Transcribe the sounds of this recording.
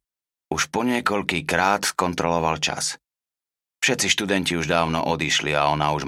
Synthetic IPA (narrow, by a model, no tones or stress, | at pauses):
uʃpɔɲɪɛkɔʎkikɾaːt̪skɔnt̪ɾɔlɔʋalt͡ʃa̰s | fʃɛt̪t͡siʃt̪ud̪ɛnciuʒd̪aːʊnɔʔɔd̪iʃliaɔnauʒ